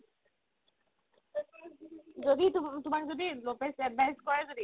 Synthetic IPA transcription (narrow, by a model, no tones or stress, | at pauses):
zoditʊmakzodilopɛsɛbaɦiskɔɹɛzodi